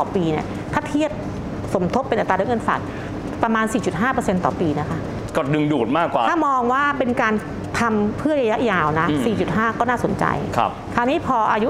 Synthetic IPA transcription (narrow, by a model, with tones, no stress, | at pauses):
ɔː˨˩piː˧ni˥˩ | t̪ʰa˦˥˩t̪ʰi˥˩əp̚ | so˩˦mt̪ʰo˦˥pːe˧nʔt̪ɾaː˧˦˥ŋɤ˧˥˩nfa̰ː˨˩k̚ | pɾa˧maː˧nsiː˨˩t͡ɕu˨˩t̪̚ɦaː˥˩pɤ˧se˧nt̪ɔ̰ː˨˩piː˧na˦˥kʰa˦˥˩ʔ | kɔ˨˧˩dɯ˧ŋduː˨˩t̪̚maː˥˩kwaː˨tʰaː˥˩mɔː˧ŋwaː˥˩pe˧nkaː˧n | t̪ʰa˧mpʰɯ˥˩əɾa˧ja˦˥jaː˧wna˦˥ʔsiː˨˩t͡ɕu˨˩t̪̚ɦaː˥˩kɔː˥˩naː˥˩so˩˦nt͡ɕa̰˧jkʰpkʰa˧˩niː˦˥pʰɔː˧ʔaː˧ju˦˥